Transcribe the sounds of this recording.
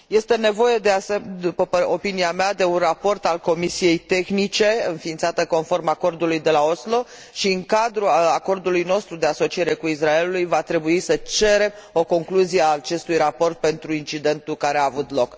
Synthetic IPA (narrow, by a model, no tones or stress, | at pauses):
je̞st̪e̞ne̞vo̞je̞d̪eased̪upəpəopiniamead̪e̞unrapo̞rt̪alko̞misije̞jt̪e̞xnit͡ʃe̞ɨnfint̪sat̪əko̞nfo̞rmako̞rd̪ulujd̪e̞laoslo̞ | ʃiɨŋkad̪ɾuako̞rd̪ulujno̞st̪ɾud̪e̞aso̞t͡ʃie̞ɾe̞kuis̬rae̞lulujvat̪ɾe̞buisət͡ʃe̞ɾe̞mo̞ko̞ŋkluzieat͡ʃe̞st̪ujrapo̞rt̪̚pe̞nt̪ɾuint͡ʃid̪e̞nt̪ukaɾe̞aːvut̪lo̞k